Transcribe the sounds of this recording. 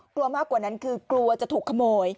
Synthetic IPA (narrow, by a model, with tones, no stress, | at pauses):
klu˧ɐmaː˥˩kːwaː˨˩na˦˥nkʰɯː˧klu˧ɐt͡ɕa˨˩t̪ʰuː˨˩kʰːa˧moː˧j